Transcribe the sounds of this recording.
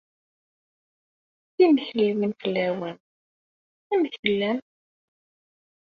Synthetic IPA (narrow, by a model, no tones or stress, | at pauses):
θiməçliwinfəlːæwæn | æməθfəlːæm